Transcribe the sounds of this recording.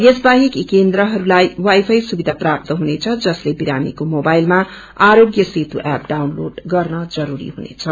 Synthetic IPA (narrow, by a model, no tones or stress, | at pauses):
esbaɦikikend̪ɾʌɦʌɾulajwajpʰʌjsubid̪ʱaprap̚t̪ʌɦunet͡sʰʌd͡zʌslebiɾamḭkomobajlma | aɾoɡjʌset̪uʔap̚ɖawnloɖɡʌrnʌd͡zʌɾuɾḭɦunḛt͡sʰʌ